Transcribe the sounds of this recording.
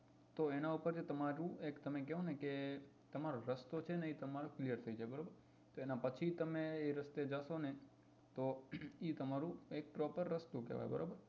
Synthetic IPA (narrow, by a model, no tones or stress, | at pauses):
t̪oenaupəɾd͡ʒet̪əmaɾũekt̪əmekɛɦõneke | t̪əmaɾoɾəst̪ot͡ʃʰeneit̪əmaɾoklijəɾt̪ʰəjd͡ʒajbəɾobəɾ | t̪oenapət͡ʃʰit̪əmeːɾəst̪ed͡ʒaʃone | t̪oit̪əmaɾũek̚pɾɔpəɾːəst̪okɛ̰ʋa̰j̰bə̰ɾo̰bəɾ